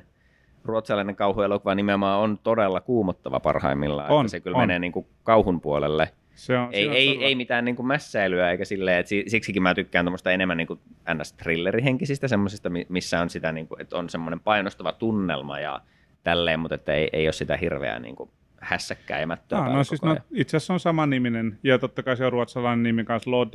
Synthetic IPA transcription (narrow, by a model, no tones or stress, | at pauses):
ruot̪sɑlɑineŋkɑuhuelokuʋɑnimeomɑːont̪odelːɑkuːmot̪ːɑʋɑ̰pɑ̰rhɑ̰imːilːɑ̰sekylmeneːniːŋku | kɑuhumpuolelːe | seeieieimit̪æːnniːŋkummæsːæilyæeikæsilːeːet̪sisiksikimæːt̪ykːæːnt̪omːˑost̪ɑenemːæniːŋkuænːæst̪rilːeriheŋkisist̪æsemːosist̪ɑmimisːæonsit̪æniːŋkuet̪onsemːonempɑinost̪ɑʋɑt̪unːḛlmɑ̰jɑ̰ | t̪ælːeːmmut̪et̪ːæeiʔḛiossit̪æhirʋḛæ̰nḭːŋku | hæsːækːæ̰ːjɑmæt̪ːøoskoisnoɑit̪seæsːonsɑmɑniminenjɑt̪ot̪ːɑkɑiseoruot̪sɑlɑinenimikɑnsloːd